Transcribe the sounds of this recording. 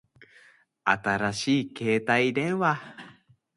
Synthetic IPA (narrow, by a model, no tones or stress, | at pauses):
a̰t̪aɾaɕiːke̞ːt̪aid̪ẽ̞ɰ̃βa